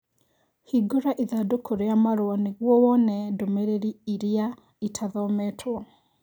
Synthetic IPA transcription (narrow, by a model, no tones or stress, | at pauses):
hiɡoɾaʔiðadokʰoɾeamaɾoaneɣwɔwɔnɛdomɛɾeɾiiɾia | itʰaðɔmɛtʰwɔ